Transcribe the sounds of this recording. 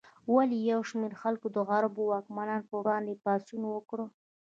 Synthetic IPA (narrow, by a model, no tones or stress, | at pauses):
walijawʃmeɾxalkod̪əɣaɾabowɑkmanɑnpəwɽɑnd̪epɑsunwəkɽə